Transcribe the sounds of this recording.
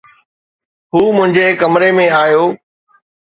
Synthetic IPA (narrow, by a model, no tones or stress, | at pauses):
ɦuːmʊ̃ɦɪ̃ɲd͡ʑeːkɐmɾemẽaːjoː